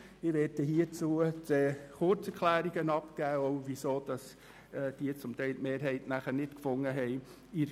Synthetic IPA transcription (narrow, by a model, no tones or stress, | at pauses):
ɪʋɛːtəɦiːət͡suːət͡seχʊɾt͡sɛɾkʰlæːɾiɡ̥ənɑpkæːoʊvisoːd̥ɑs | d̥iːət͡sʊmtɛɪltmeːɾɦɛɪtnæχənɪtkfʊŋːəɦɛɪ | iɾ